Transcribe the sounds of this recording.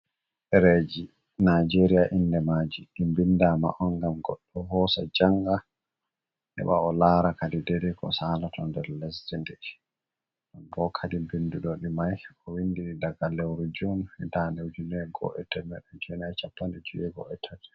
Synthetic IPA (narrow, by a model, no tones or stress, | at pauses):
ʔɛɾed͡ʒi | nad͡ʒeɾijaʔinːdɛmad͡ʒiʔimbindama̰ʔɔnɡamɡɔɗːɔhɔːsad͡ʒaŋɡa | nɛ̰ɓa̰ɔlaːɾakadidɛɾikɔ̰saːlatʰɔndɛɾlɛsdɛndɛ | ɗɔnbɔkʰadibinduɗɔɗimajɔwindiɗidaɡalɛwɾud͡ʒunɛtanewd͡ʒunɛɡɔ̰ʔɛtɛmɛɗɛd͡ʒɛnat͡ʃapːandɛd͡ʒujɛɡɔ̰ɛtʰadɛ̥